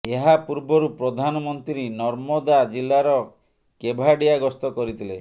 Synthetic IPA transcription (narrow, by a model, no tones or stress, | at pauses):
eɦapuɾbɔɾupɾɔd̪ʱanɔmɔnt̪ɾiɾenɔɾmɔd̪ad͡ʒilːaɾɔ | kebʱaɽijaɡɔst̪ɔkɔɾit̪ʰile